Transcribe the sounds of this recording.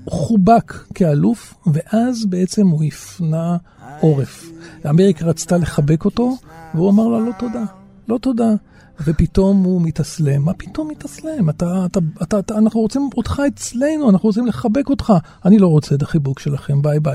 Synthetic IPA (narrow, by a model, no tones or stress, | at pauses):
χubakːealufve̞ʔazbee̞t͡se̞muifna | ʔo̞ʁe̞faːme̞ʁikaʁat͡st̪ale̞χabe̞ko̞to̞veuamaʁlalo̞t̪o̞da | lo̞to̞da | vepit̪o̞mumitasle̞mːapito̞mːit̪asle̞matatatatanaχnuot͡simotχaet͡sle̞nuanaχnuʁot͡simle̞χabe̞ko̞tχa | anilo̞ʁot͡set̪̬aχibukʃe̞laχe̞mbajbaj